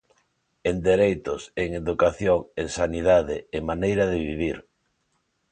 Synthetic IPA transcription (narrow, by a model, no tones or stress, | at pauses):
end̪eɾejt̪ʊseŋeðukaθjoŋeŋsaniðaðɪːmanejɾaðɪβiβ̞iɾ